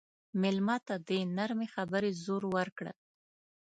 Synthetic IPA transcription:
mɪlmɑt̪ad̪ənaɾmexabəɾezoɾwəɾkɽə̰

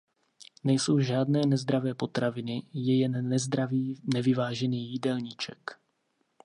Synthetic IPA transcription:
nɛjso̞wʒaːdnɛːnɛzd̪ɾavɛːpo̞t̪ɾavɪnɪjɛjɛnːɛzd̪ɾaviːnɛvɪvaːʒɛniːjɪdɛlɲɪt͡ʃɛk

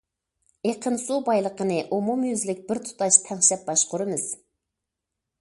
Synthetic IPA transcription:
eqʰənsubɑjlˠəqənɨʔumumjyzlɪk̚ʲbɪɾt̪ʰu̥t̪ɑʃt̪ʰɛŋʃɛp̚bɑʃqʊɾɨmɨz̥

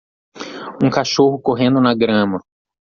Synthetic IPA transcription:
ũkaʃoɦʊkoɦẽnd̪ʊnɐɡɾɐ̃mɐ

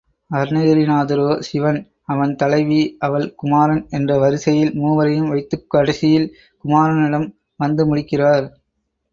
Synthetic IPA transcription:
ɐɾnɐjɐɾinaːðɐɾoːsɪʋɐn | ɐʋɐnt̪ɐlɐɪʋiʔɐʋɐɭkʊmaːɾɐnɛndrɐʋɐɾɪsɐjɪlmuːʋɐɾɐjɯmʋɐɪt̪ːɯkːɯɐɽɐsɪjɪl | kʊmaːɾɐnɪɭɐm | ʋɐnd̪ɯmʊɻɪkːɪraːɾ

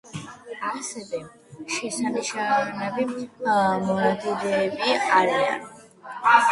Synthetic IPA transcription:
asɛvɛ | ʃɛsaniʃaɾnɛbi | mɔnad̪iɾɛːbiaɾia̰n

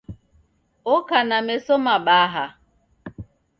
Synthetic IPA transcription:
ʊkanamesomabaaɦa

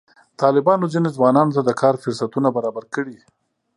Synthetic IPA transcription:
t̪ɑlɪbɑnozinezwɑnɑnot̪ad̪əkʰɑɾfʊɾsat̪unabaɾɑbaɾkəɽi

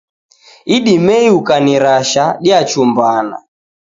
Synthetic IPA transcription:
iɗimɛiukaniɾaʃaɗiat͡ʃumbana̰

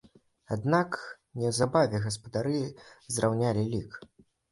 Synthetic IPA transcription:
ad̪nak | nʲɛwzabavʲɛɣɐspɐd̪aɾɨzrʔawnʲalʲilʲik

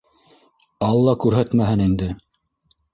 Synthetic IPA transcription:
ɑlˠːɑkʉɾɦæt̪mæɦɘnind̪ɘ

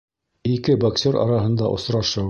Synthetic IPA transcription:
ikɘboksʲeɾɑ̰ɾɑɦɤ̆nd̪ɑʔŏ̰sɾɑʃɤ

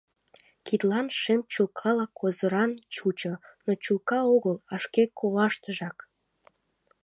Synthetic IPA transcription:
kit̪lɑnʃemt͡ɕulkʰɑlɑkʰozəɾɑnt͡ɕut͡ɕonot͡ɕulkɑoɣəlɑʃkekʰoβɑʃt̪əʒɑk

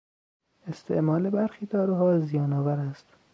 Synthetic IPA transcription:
e̞st̪ʰe̞̰ʔmɒːlebæɾxiːd̪ʰɒːɾoɦɒːzijɒːnɒːvæɾæst̪

